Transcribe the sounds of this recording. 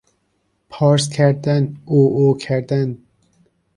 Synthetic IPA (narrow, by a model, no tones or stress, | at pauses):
pʰɑːɾskʰæɾd̪ænuːokʰæɾd̪æn